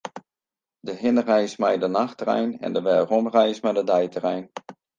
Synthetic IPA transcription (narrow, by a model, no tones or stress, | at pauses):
dəɦɪnrɛjsmɛjdənaxtrɛ̰jnɛ̰ndəʋɛːrɔmrɛjsmɛjdədɛjtərɛjn